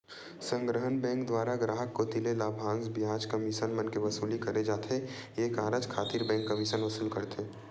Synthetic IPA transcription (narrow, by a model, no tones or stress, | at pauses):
sə̃ŋɡɾəɦənbɛ̃ːŋkd̪waːɾaɡɾaːɦəkːot̪ɪlelaːbʱãːnsbɪaːd͡ʒkɐmiʃənmənkeʋɐsuːlikɐɾed͡ʒaːt̪ʰeeːkaːɾəd͡ʒkʰaːt̪iɾbɛ̃ːŋkːɐmiʃənʋɐsilkəɾt̪ʰeː